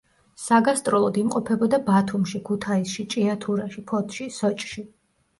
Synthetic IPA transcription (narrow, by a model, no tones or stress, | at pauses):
saɡast̪ʼɾɔlˠɔd̪imqʼɔpʰɛbɔd̪abat̪ʰumʃikʰut̪ʰaisʃit͡ʃʼiat̪ʰuɾaʃipʰɔt̪ʰʃisɔt͡ʃʼʃi